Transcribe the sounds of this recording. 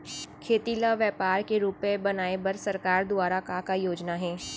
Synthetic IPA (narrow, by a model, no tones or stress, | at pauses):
kʰeːt̪ilaʋjəːpaːɾkeɾuːpebɐnaːebɐɾsɐɾkaːɾd̪ʊaːɾakakajoːd͡ʒnaɦɛː